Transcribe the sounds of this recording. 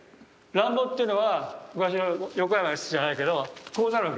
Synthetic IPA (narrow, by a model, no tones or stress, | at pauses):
ɾãmbot̪ːeɯ̟noβamɯ̟kaɕ̬iajokojamaisɯʑanaike̞d̪o̞koːzaɾɯ̃k